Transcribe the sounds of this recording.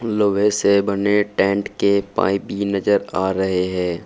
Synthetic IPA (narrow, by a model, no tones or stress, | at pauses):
loːʋesebɐneʈɛ̃ːɳʈkepa̰ːibʱinɐd͡ʒəɾaːɾɐɦeɦɛ̃ː